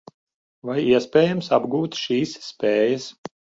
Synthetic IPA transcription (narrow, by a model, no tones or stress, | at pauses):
vajiɛspʲɛːjamsabɡuːt̪ʃiːsːpʲeːjɐs